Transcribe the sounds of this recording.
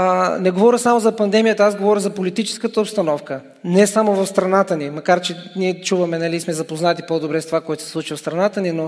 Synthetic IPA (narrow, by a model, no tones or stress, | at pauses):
nɛɡovɔɾʲəsamozɐpɐnd̪ɛmijət̪əazɡovɔɾjəzɐpolit̪it͡ʃɛ̥skət̪əopst̪ɐnɔfkə | nɛsamovɐfst̪ɾɐnat̪ənimɐkaɾt͡ʃɛniɛt͡ʃuvɐmɛnɐlismɛzɐpoznat̪ipɔd̪obɾɛst̪ovakɔɛt̪o̥sɛ̥sˠut͡ʃivɐfst̪ɾɐnat̪ənino